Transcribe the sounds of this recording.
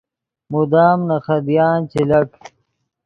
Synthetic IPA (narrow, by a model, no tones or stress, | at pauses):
mud̪aːmnɐxɐd̪jaːnt͡ɕelɐk